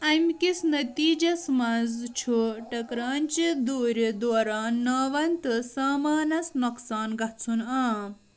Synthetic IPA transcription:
ɐmʲkisnɐt̪iːd͡ʒɐsmɐzt͡ʃʰuʈɐkɾaːnt͡ʃid̪uːɾʲid̪oːɾaːnːaːʋɐnt̪ɨsaːmaːnɐsnuksaːnɡɐt͡sʰunaː

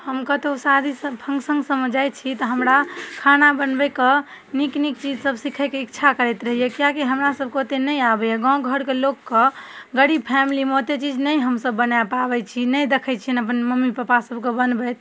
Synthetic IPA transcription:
həmkət̪osad̪ʱisəpʰə̃ŋɡsə̃ŋɡsəməd͡ʒajt͡ʃʰit̪əɦəmɾakʰanabənbɛkə | niknik̚t͡ʃid͡ʒsəbsikʰɛkeikt͡ʃʰakəɾɛt̪ɾəɦijekijakiɦəmɾasəb̚kot̪enəjabɛɛɡɔ̃ɡʱəɾkelokːəɡəɽipʰɛmilimot̪et͡ʃid͡ʒnəjɦəmsəbːənapabɛt͡ʃʰinəjd̪ekʰɛt͡ʃʰiənəp̬ənməmːipapasəbkebənbɛt̪

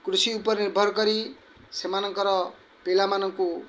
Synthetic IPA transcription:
krusiupʌrniɾbʱʌrkʌɾi | semanʌŋkʌɾʌ | pelamanʌŋko

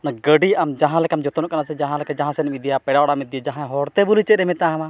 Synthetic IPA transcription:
naɡəɖiamd͡ʒaɦãlɛkamd͡ʒɔt̪ɔnɔ̃kanasɛd͡ʒaɦãlɛkɛd͡ʒaɦãsɛnmid̪ijapɛɖaɔɽamit̪d̪ijad͡ʒaɦãɦɔɾt̪ɛbulit͡ʃɛt̪̚ɾɛmɛt̪aɦma

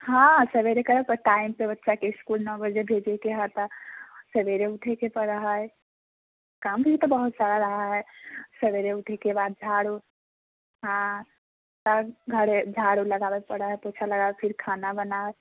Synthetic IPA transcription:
hãsəbeɾekəɾəkəʈaimpebətːʃakeɪskulnɔ̃bəd͡ʒebʱed͡ʒekeɦat̪əsəbeɾeuʈʰekepəɽəɦəe | kaːmkiit̪ɔbəɦut̪saɾaɾəɦaɦɛsəbeɾeʊʈʰekebaːd̪̚d͡ʒʱaɽo | ɦã | t̪əɡʱəɾed͡ʒʱaɽoləɡabepəɽəɦəpot͡ʃʰaləɡabepʰɪɾkʰaːnabəna

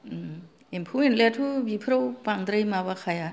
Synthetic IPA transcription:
empʰuentletʰubipʰɾawpaŋd̪ɾɯjmaβakʰaja

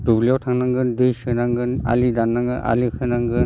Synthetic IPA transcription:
dubliawtʰaŋnaŋɡɯndɯjsɯnaŋɡɯna̰lidanːaŋɡɯʔa̰likʰɯnaŋɡɯn

